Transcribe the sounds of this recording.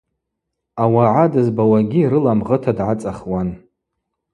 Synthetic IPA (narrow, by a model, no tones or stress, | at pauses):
awaʕadɨzbawaɡʲiɾɨlamʁətʰadʕat͡sʼaχwan